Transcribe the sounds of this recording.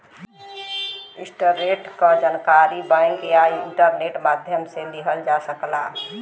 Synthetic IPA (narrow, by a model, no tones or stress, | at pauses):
ɪsʈəɾeʈkə̃d͡ʒənkaɾibə̃ŋkeaiɪɳʈəɾneʈmaːd̪ʱjəmseliɦəld͡ʒasəkla̰